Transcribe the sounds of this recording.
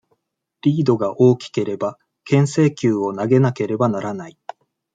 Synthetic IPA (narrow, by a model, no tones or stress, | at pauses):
ɾʲiːd̪o̞ɡaʔo̞ːkʲi̥ke̞ɾe̞ba | kẽ̞ɰ̃se̞ːkʲɨːo̞naɡe̞nake̞ɾe̞banaɾanai